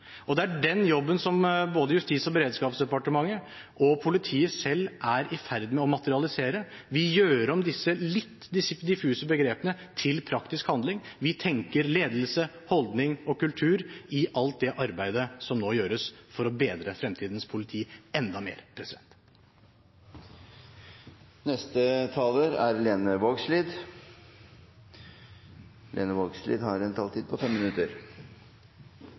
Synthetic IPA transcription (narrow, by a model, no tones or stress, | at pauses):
ɔd̪ɛæɖɛnjɔbːənsɔmboːd̪əjʉst̪iːsɔbəɾeːd̪skɑːpsd̪ɛpɑʈəmɑŋːə | ʔɔpʰʊlɪt̪ʰiːəsɛlːʔæɾɪfæɾd̪mɛɔmɑt̪əɾɪɑlɪseːɾəʋɪjøːɾəɾɔmd̪ɪsːəlɪt̪ːd̪ɪsd̪ɪfʉːsəbəɡɾeːpənə | t̪ʰɪlpʰɾɑkt̪ɪskhɑnd̪lɪŋʋɪt̪ʰɛŋkəɾleːd̪l̩sə | hɔld̪nɪŋɔkʉlt̪ʰʉːɾɪʔɑlt̪̚d̪ɛʔɑɾbæɪd̪əsɔmnoːjøːɾəsfɔɾɔbeːd̪ɾəfɾɛmt̪ʰiːd̪nspʰʊlɪt̪ʰiːɛnd̪ɑmḛːɾpʰɾɛsɪd̪ɛ̰nt̪ | nɛst̪ət̪ʰɑːləɾæ̰ɾleːnəʋoːɡsliːd̪ | lḛːnəʋoːɡslḭːd̪hɑɾɛnt̪ʰɑːlt̪ʰiːd̪̚pʰɔfɛmːɪnʉt̪əɾ